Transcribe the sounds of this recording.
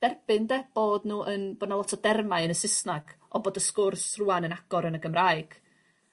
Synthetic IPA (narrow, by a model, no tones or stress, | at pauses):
d̥ɛrb̥ɨndɛb̥oːdnuːʔənboːdnalˠɔtʰɔdɛrmaɨənəsɪsnaɡ̥ɔboːdəskʊrsruanənaɡ̥ɔɾənəɡəmraːɨɡ̥